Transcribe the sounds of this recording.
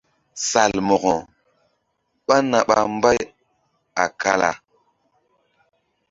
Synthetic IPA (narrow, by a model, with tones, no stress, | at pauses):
sa˨lmo˨ɣo˨ | ɓa˦na˨ɓa̰˨m˦ba˦j | a˨ka˦la̰˨